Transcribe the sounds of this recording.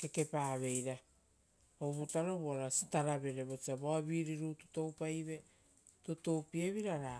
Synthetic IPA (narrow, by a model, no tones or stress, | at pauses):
ke̞ke̞paːβe̞jɾa | oβutaɾoβoaɾasi̥taɾaβe̞ɾe̞βot͡ʃiaβoabiɾiɾutu̥to̞wpajβe̞ | tutopieβiɾaɾa